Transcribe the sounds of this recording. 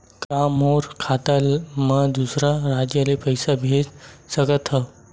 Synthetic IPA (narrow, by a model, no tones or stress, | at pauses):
kãmoɾkʰat̪almad̪usɾaɾad͡ʑjalepəjsabʱed͡zsəɡət̪ʰə